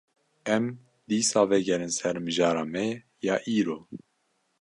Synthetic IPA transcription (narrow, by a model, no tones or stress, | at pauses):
ɛm | d̪iːsɑːvɛɡɛɾɨnsɛɾmɨʒɑːɾɑːmɛ | jɑːʔiːɾoː